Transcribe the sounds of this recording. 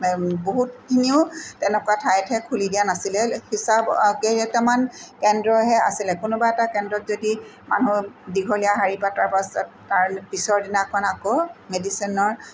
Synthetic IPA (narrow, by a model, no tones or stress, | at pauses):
boɦut̚kʰiniʊtɛnɛkuatʰajtʰɦɛkʰulidijanasilɛhisabkeɛtɛmankɛndɹɔɦɛa̰silɛkʊnʊbaɛtakɛndɹɔtzodi | ma̰nudiɡʱɔlijaɦaɹipataɹpas | taɹpisɔɹdinakʰɔnakomedisinɔɹ